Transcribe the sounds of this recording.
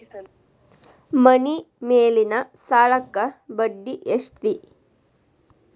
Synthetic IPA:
mɐni | meːlinɐsaːɭɐkːɐbɐɖːiʔeʂt̪i

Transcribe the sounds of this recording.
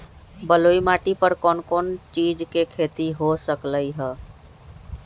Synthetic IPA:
bəloimaʈipəɾkɔːnkɔːnt͡ʃid͡ʒkekʰet̪iɦosəkləjɦə

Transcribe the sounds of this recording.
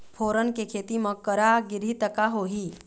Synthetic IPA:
fʰoːɾənkekʰet̪iməkːəɾaɡɪɾ̤it̪əkaɦoɦiː

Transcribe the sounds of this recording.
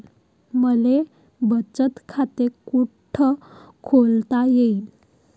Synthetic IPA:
məle | bət͡sət̪kʰat̪ekuʈʰə | kʰolt̪ajeil

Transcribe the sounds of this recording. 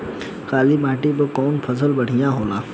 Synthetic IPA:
xaːlimaːʈibəkɔːnpʰɐzəlbɐɽ̤ijãɦoːlaː

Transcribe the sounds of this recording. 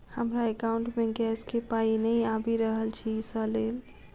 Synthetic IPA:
həmɾaekaũɳʈmeɡɛskepainəjabiɾəɦəlt͡ʃʰisəlel

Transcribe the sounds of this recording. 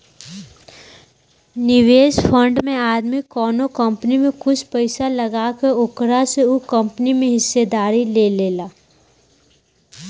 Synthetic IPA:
nɪʋeːsfʰə̃ɳɖmẽaːd̪mikɔːnokɐ̃mpnimẽkʊt͡ʃʰpɐɪsalɐɡakeʊkɾaseukɐ̃mpnimẽɦɪsːed̪aːɾileleːlaː

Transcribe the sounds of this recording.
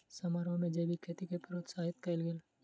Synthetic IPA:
sɐmaːɾõmẽd͡ʒeːbikʰeːt̪ikepəɾoːt̪saːɦɪt̪kɐlɡel

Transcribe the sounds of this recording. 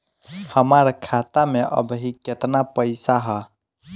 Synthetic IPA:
həmaɾkʰat̪ameʔə̰bɦiket̪napəɪsaɦə

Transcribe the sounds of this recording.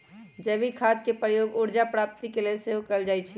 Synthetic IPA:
d͡ʒɛbikʰaːd̪̚kepɾəjoːɡʊɾd͡ʒapɾaːp̚t̪ikeleseɦokəld͡ʒaːit͡ʃʰɛ

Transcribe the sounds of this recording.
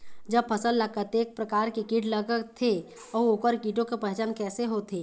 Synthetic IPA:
d͡ʒəb̚pʰəsəlːakət̪eːk̚pɾəkaːɾkekiʈləɡt̪ʰe | ɔːoːkəɾkiːʈõkepəɦɛt͡ʃankɛːseɦot̪ʰeː

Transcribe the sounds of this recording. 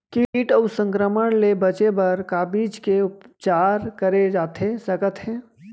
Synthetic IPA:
kiiʈəʊsə̃ŋkɾəməɽ̃lebɐt͡ʃebɐɾkaːbiːd͡ʒkeʊpt͡ʃaːɾkəɾed͡ʒaːt̪esɐkət̪ɦɛ̃ː

